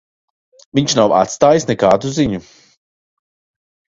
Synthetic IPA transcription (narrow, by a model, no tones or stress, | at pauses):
viɲʃnawa̰t̪st̪aːjisnɛkaːd̪uziɲu